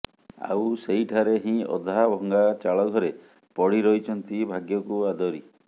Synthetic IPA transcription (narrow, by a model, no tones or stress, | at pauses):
a̰wsejʈʰaɾeɦĩɔ̰d̪ʱabʱɔŋɡat͡ʃaɭɔɡ̪ʱɔɾe | pɔɽiɾɔit͡ʃʰɔnt̪ibʱaɡjɔkuad̪ɔɾi